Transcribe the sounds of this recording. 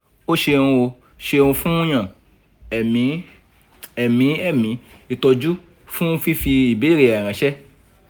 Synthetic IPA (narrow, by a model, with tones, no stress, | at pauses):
o˦ʃẽ˧ũ˧o˧ | ʃe˧ũ˧fũ˦j̃ã˨ | ɛ˨mĩ˨˦ | ɛ˨mĩ˨˦ɛ˦˨mĩ˨˦ | i˦˨tɔ˧d͡ʒu˦ | fũ˦fi˦fi˧i˨be˨˦˨ɾe˨a˨ɾ̃ã˨˦ʃɛ˦